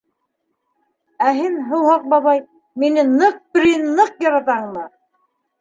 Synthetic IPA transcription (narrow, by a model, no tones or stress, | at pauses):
æɦinɦɤ̆whɑq̚bɑβɑj | minɘnɤq̚pɾinːɤqjɑɾɑt̪ɑɴnɤ